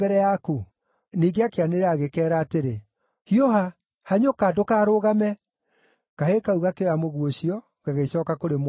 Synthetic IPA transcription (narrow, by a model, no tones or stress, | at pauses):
ɛɾɛjaku | niɡeakeaneɾaːɣekɛːɾaːteɾe | hioɦa | haɲokadokaːɾoɣamɛ | kahekauɣakejamoɣwoɕiɔ | ɣaɣeisɔːkakoɾemw